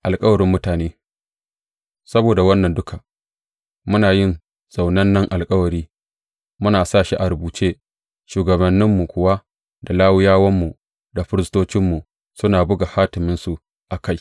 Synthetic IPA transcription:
ʔa˨lkʼɐ˦wɐ˨ɾɪ˦mːʊ˦taː˨neː˦ | sɐ˦boː˨da˨wɐ˦nːɐ˨ndʊ˦ka˨ | mʊ˦naː˨jɪ˦n | z̥a˨wnɐ˦nːɐ˦ŋʔa˨lkʼɐ˦wɐ˨ɾiː˦ | mʊ˦naː˨saː˦˨ʃi˦ʔa˨ɾʊ˨buː˨t͡ʃeː˦ | ʃuː˨ɡɐ˨bɐ˨nːɪ˦mːu˨kʷʊ˦wa˦ | da˨laː˦wɪ˦jaː˦wɐ˦mːu˨ | da˨ɸɪ˦ɾɪ˦stoː˦t͡ʃɪ˦mːu˨ | sʊ˦naː˨bʊ˦ɡa˨haː˦tɪ˨mɪ˦nsu˦ | ʔa˨ka˦j

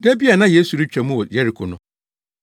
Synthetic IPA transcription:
dɛ˦bi˦a˨nã˦je˦su˨ɾi˦t͡ɕᶣɛ˨mũ˦wɔ˨jɛ˦ɾi˨kʰɔ˨nʊ̃˦

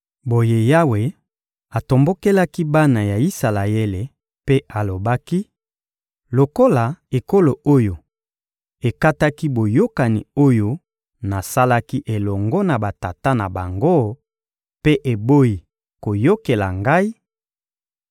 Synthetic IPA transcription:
bo˨je˦ja˦we˨ | a˨to˨mbo˦ke˦la˦ki˦ba˦na˨ja˨i˦sa˨la˨je˦le˨ | pe˦a˨lo˨ba˦ki˦ | lo˨ko˦la˨e˨ko˦lo˨o˦jo˨ | e˨ka˦ta˦ki˦bo˨jo˦ka˨nḭ˨o˦jo˦ | na˨sa˦la˦ki˦ʔe˨lɔ˨ŋɡɔ˦na˨ba˨ta˨ta˦na˨ba̰˨ŋɡo˦ | pe˦ʔe˨bo˦i˨ | ko˨jo˦ke˨la̰˨ŋɡa˦i˦

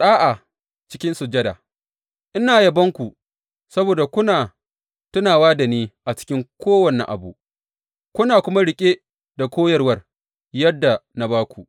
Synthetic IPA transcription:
sʼaː˦ʔa˨ | t͡ʃɪ̥˦kʲɪ˦nsʊ˨d͡ʒɐ˦da̰ː˨ | ʔɪ˦naː˨jɐ˨bɐ˦ŋkʷu˨ | sɐ˦boː˨da˨kʷʊ˦naː˨ | tʊ˦naː˨waː˦da˨niː˦ʔa˨t͡ʃɪ̥˦kʲɪ˦ŋkʷoː˦wɐ˨nɪ˦ŋʔa̰˨bu˨ | kʷʊ˦naː˨kʷʊ˦ma˦ɽɪ˨kʲʼe˦ | da˨kʷoː˦jɐ˨rwɐ˦r | jɐ˦dːa˨na˨baː˦kʷu˨ʔ

